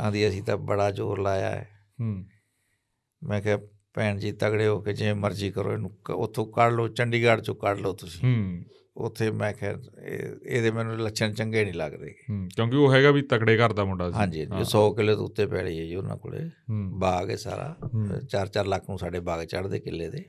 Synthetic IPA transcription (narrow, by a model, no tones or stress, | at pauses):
ãːd̪iːəsĩːt̪ãːbəɽaːd͡ʒo̰ːɾlaːja̰ːɛ̰ː | mɛ̃ːkʰɛː | pɛːɳd͡ʒiːt̪əkɽeːoːked͡ʒɪẽːməɾd͡ʒiːkəɾo̰ːeːnũːkʊt̪ʰːõːkəɽloːt͡ʃəɳɖiːɡəɽt͡ʃõːkəɽloːt̪ʊsĩː | ʊ̰t̪ʰːeːmɛ̃ːkʰɛ̰ː | ḛːd̪eːmɛ̃ːnũləkʃʰəɳt͡ʃəŋɡeːnĩːlaɡd̪ḛːkeːkjõːkɪoːɦɛːɡaːʋiːt̪əkɽeːkəɾd̪aːmʊɳɖaːɦãːɲd͡ʒiɦãisɔːkɪlːeːt̪o̰ːʊt̪ːeːpɛːɽiːɛːd͡ʒiːʊnã̰ːko̰ɽḛːbaːɡɛːsa̰ːɾa̰ːt͡ʃaːɾt͡ʃaːɾləkʰnũːsaːɖeːbaːɡt͡ʃəɽd̪eːkɪlːeːd̪eː